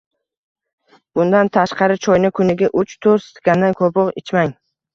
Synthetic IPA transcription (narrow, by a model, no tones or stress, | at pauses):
b̥ʊnd̪ant̪ʰaʃqɑɾɪt͡ʃʰɒjnɪkʰʊnɪɡʲaʔʊt͡ʃt̪ʰoɾst̪ɡʲanːɪkʰopʰɒqɪt͡ʃʰmaŋ